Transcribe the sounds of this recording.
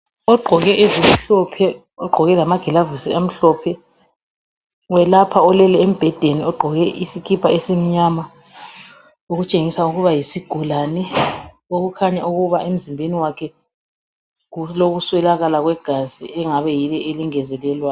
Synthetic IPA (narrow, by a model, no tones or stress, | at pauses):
ɔɡ͡ǃʱɔɣɛʔezim̩ɬɔpʰɛ | ɔɡ͡ǃʱɔɣɛlamaɡ̥ʱɛlavusiam̩ɬɔpʰɛ | wɛlapʰaɔlɛlɛem̩b̥ʱɛd̥ʱeniɔɡ͡ǃʱɔɣɛʔisikʰipʰaesim̩ɲama | oɣut͡ʃʼeŋisauɣuβajisiɡ̥ʱulanɛ | oɣukʰaɲauɣuβaem̩zimbʱeniwakʰɛ | ɣuloɣuswɛlaɣalaɣwɛɡ̥ʱazḭɛŋaβɛjilɛʔeliŋɛzɛlɛlwa